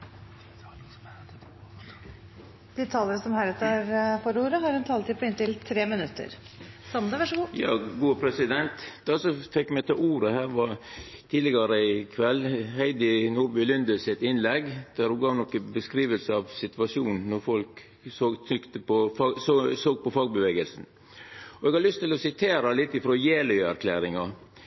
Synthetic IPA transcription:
d̪̥ɪt̪ʰɑːləɾəsɔmhæɾət̪ʰɑɾfɔɾuːɾəɦɑɾɛnt̪ʰɑːlt̪ɪpʰɔɪnt̪ɪlt̪ʰɾeːmɪnʉt̪ːə̰ɾ | sɑnd̪ɑʋæʂɡujɑːɡuːpʰɾɛsɪd̪ɛnt̪d̪̥ɛsɔfɛkːmɛɪt̪ʰɪuːɾəhæːɾʋɑt̪ʰiːd̪lɪɡɑɾəɪkʰʋɛlːhæɪd̪ɪnuːɾbʉlʏnd̪əsɪt̪ɪnlɛɡd̪̥æɾhʉɡɑːʋnɔkːəbəskɾiːʋəlsəɑʋsɪt̪ʋɑʂjuːnn̩nɔɾfɔlk | sot̪ʰʏkt̪əpʰɔɑsoːɡ̚pɔfɑːɡ̚bəʋeːɡəlsn̩ | ɔɛɡhɑlʏst̪ɪlɔsɪt̪ʰeːɾɑlɪt̪ːɪfɾoːjeːlœʏæɾkʰlæːɾɪŋɑ

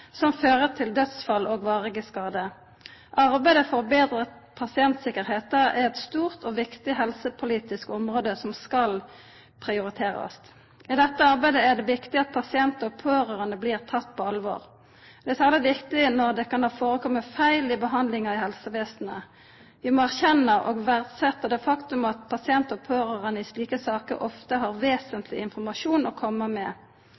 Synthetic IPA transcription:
sɔmføːʁət̪ʰɪld̪œt̪sfɑloːɡʋɑːʁɪɡəskɑːd̪ə | ʔɑʁbæɪd̪əfɔʁbeːd̪ʁət̪pʰɑsɪɛnt̪sɪkəʁheːt̪əæʁɛt̪st̪uːʁt̪ɔːʋɪkt̪ɪɦɛlsəpʰʊliːt̪ɪskɔmʁoːd̪əsɔmskɑl | pʰʁɪʊʁɪt̪ʰeːʁɑ̰st̪ | ɪd̪ɛt̪ːəɑʁbæɪd̪əæd̪ɛʋɪkt̪ɪɑt̪̚pʰɑsɪɛnt̪əɔpʰoːɾøːʁənəbliːʁt̪ʰɑt̪ːpʰɔɑlʋo̰ːʁ | d̪̥ɛsæːʁləʋɪkt̪ɪnɔʁd̪ɛkɑnhɑːfoːɾəkʰɔmːəfæɪlɪbəɦɑnd̪lɪŋɑɪhɛlsəʋeːsnə | ʋɪmɔæʁçɛnːəʔɔːɡʋæʁd̪sɛt̪ːəd̪ɛfɑkt̪ʉmɑt̪̚pʰɑsɪɛnt̪ɔpʰøːʁəʁənəɪsliːkəsɑːkə̰ʔɔft̪əɦɑʁʋeːsənt̪ʰlɪ̰ɪnfɔʁmɑʂuːnɔkʰɔmːəmɛ

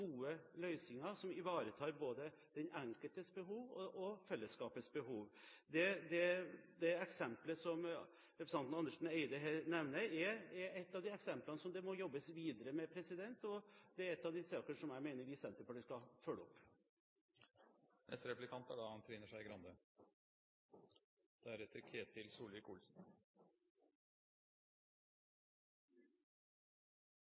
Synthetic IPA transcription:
ɡuːəlœʏsɪŋɑsɔmɪʋɑːɾət̪ʰɑːɾboːd̪ə | d̪̥ɛnæŋkəlt̪əsbəɦuːʋɔ̰ʔɔfɛlːəskɑːpəsbəhuːʋd̪ɛd̪ɛd̪ɛɛksɛmpləsɔm | ɾɛpɾəsɑnnɑnːəʂn̩ɛɪd̪əɦeːɾnɛʋnəɛɛɾɛt̪ːɑʋd̪ɪɛksɛmplənəsɔmd̪ɛmɔjɔbːəsʋiːd̪əɾəmɛpʰɾɛsɪd̪ɛnt̪ɔd̪̥ɛæɾɛt̪ːɑʋd̪ɪsɑːkənʂɔmjæɪmeɪnəʋɪsɛnt̪əɾfɔɖɪskɑfœlːəɔpː | nɛ̰st̪əɾɛplɪkʰɑnt̪æɖɑɑnt̪ʰɾiːnəʂæɪɡɾɑnd̪ø | d̪̥ɛæɾɛt̪ʰːəɾkʰeːt̪ʰːɪlsuːlɪkulsn

